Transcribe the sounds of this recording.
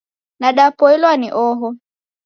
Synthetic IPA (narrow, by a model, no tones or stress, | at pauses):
naɗapɔilwaniʔɔɦɔ